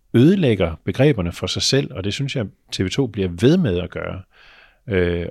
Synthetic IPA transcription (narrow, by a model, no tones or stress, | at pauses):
øːð̞ˠəleɡ̥ɐb̥e̝ɡ̥ʁɛ̰ːb̥ɐnəfʁɑ̈sɑ̈ɪsel̰ɒ̽d̥e̝synsjɑɪ | t͡sʰe̝ːʋe̝t͡sʰo̝̰ːb̥liɐʋe̝ð̞ˠmeð̞ˠæɡ̥ɶ̰ːɐ | ø